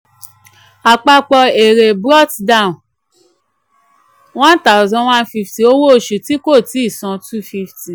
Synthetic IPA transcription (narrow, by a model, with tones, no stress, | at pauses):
a˨k͡pa˧k͡pɔ˧e˨ɾe˨bɾɔ˦tda˦˨ũ˨ | wã˦n˦ta˦˨zɔ̃˧˦wã˦nfi˧fti˨o˦wo˦o˨ʃu˨ti˨˦ko˦˨ti˨˦i˦˨sɔ̃˧tu˦fi˦fti˨